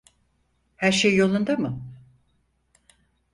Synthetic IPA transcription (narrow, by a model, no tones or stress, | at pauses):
hæɾʃejːo̞lˠund̪amɯ